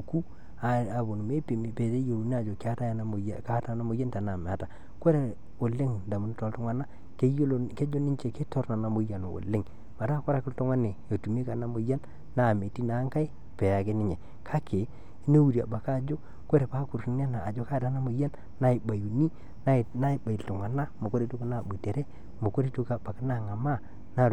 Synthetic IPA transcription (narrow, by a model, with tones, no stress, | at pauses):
o˨ku˦ | a˨a˨bo˨n˨me˦pi˨pe˨te˦jo˨u˨n˦a˨d͡ʒo˨ka˦ta˦˨n˦˨ka˦ta˨na˦mo˨ja˦nta˨na˨m˨a˨˦ta˨ | ko˦ɾe˨ | o˨lːe˦ŋda˨mu˨n˦to˨ltɔ˦ŋa˦na˦ | ke˦jo˦lke˦d͡ʒo˦nɪ˦t͡ʃe˨ke˦to˦ɾna˨na˨mo˨˦ja˨n˨wo̰˨le˦ŋ | ma˨ta˦ko˦ɾa˨˦kɪ˦lto˦ŋa˦ne˨o˨tu˨m˦e˦ka˨na˦mo˨ja˦n | na˦˨me˨ti˦na˨˦ŋka˦i˦ | pe˨a˨ke˦nɪ˦ɲe˨ | kʰa˦kʰe˨˦ | no˦wu˨ɾi˨a̰˨ba˨ka˦˨d͡ʒo˦ | ko˦ɾe˨pa˦ku˨ɾi˨˦n˦a˦naː˨d͡ʒo˦ka˦˨da˦na˦mo˨ja˦n | na˦i˨ba˨ju˨ni˦ | n˦na˦˨ba˨i˨ltu˨ŋa˨na˦mo˨ko˦ɾe˦to˦kna˦˨bu˨te˨ɾe˦ | mo˨ko˦ɾe˦to˦ka˨ba˨ki˦na˦˨ŋa˨ma˦˨ | na˦˨